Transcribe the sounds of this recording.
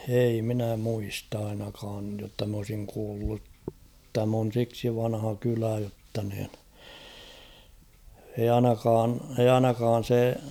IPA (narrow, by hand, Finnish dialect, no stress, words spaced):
ei minæ muist ɑinɑkɑːj jotːɑ m olsiŋ kuːlːut tæm on̞ siksi ʋɑnhɑ kylæ jotːɑ niːn eij ɑinɑkɑːn eij̆ ɑinɑkɑːn̞ se